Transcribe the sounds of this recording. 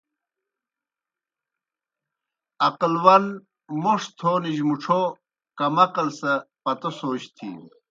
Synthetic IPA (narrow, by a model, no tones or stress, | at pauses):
ɐqlwɐn | moʂt̪ʰoːniʑmuʈ͡ʂʰo | kɐmɐqɐlsɐpɐt̪osoːɕt̪ʰḭ